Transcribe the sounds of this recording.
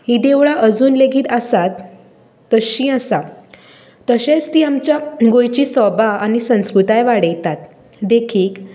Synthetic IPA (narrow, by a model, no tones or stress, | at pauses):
hiːd̪eʋɭaʔəd͡zuːnleɡiːt̪asat̪ː | əɕĩasa | t̪əɕẽt͡st̪iːamt͡ɕjaɡojt͡ɕiːsɔbʱaanisə̃w̃skɾut̪ajʋaɽəjt̪at̪ | d̪ekʰiːk